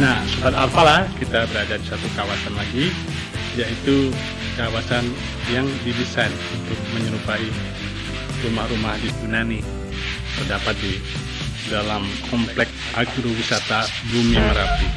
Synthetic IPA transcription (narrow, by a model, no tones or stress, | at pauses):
nahsuʔat̪apalahkit̪abəɾad͡ʒadisat̪ukawasanlaɡi | jait̪u | kawasan | jaŋdidisajnunt̪ʊk̚məɲəɾupai | rumahrumahditunani | t̪ərdapat̪̚di | dalamkʰɔmplɛk̚ | aɡɾuwisat̪a | bumiməɾap̪i